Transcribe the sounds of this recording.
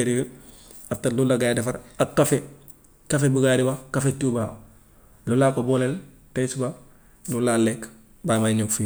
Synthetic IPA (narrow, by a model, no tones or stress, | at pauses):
eɾi | aftalulaɡajdefaɾakːafe | kafebuɡaɾibakafetubaː | lulakobolel | tesba | lulalek | bamaɲokfi